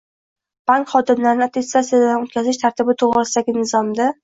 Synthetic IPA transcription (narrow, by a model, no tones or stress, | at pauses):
b̥aŋkχɒd̪ɪmlaɾɪnɪat̪ʰest̪at̪sijad̪anot̪̚kʲʰazɪʃt̪ʰaɾt̪ʰɪbɪt̪ʰoʁɾɪsaɡʲɪnɪzɒmd̪a